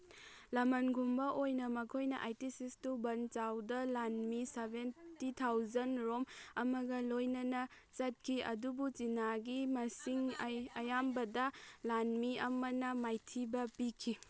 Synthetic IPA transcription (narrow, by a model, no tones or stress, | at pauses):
lɐmɐnɡʱumbɐʔojnɐmɐkʰojnɐ̰ʔajtisistubɐnt͡ʃawdɐlanmisebʱentitʰawzɐnɾomɐmɐɡɐlojnɐnɐ | t͡ʃɐt̚kʰiɐ̰dubuzinaɡimɐsiŋɐjambɐdɐlanmiɐmɐnɐmajtʰibɐpikʰi